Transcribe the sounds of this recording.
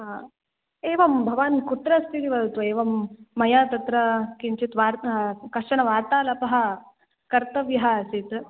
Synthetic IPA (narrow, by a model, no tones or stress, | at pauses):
a | eːʋɐmbʱɐʋaːnkut̪ɾɐst̪ʰit̪iʋɐd̪ɐt̪ueːʋɐmːɐjaːt̪ɐt̪ɾɐkiɲt͡ʃit̪ʋaːɾkɐʂɐɳɐʋaːɾt̪aːlɐpɐɦɐ | kɐɾt̪ɐʋjɐɦasit̪